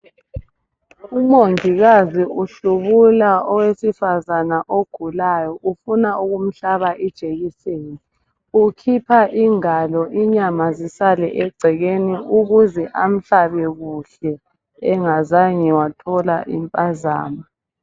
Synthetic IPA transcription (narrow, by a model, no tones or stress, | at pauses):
umoŋiɣaziuɬuβulaɔwesifazanaʔoɡ̥ʱulajɔʔufunauɣum̩ɬaβaʔid̥ʒ̥ʱeɣiseːni | ukʰipʰaʔiŋalɔʔiɲamazisalɛ̰ʔɛɡ͡ǀʱɛɣeniʔuɣuzɛʔam̩ɬaβɛɣuɬɛ | ɛŋazaɲɛwatʰɔlaʔḭmpʼaza̰ːma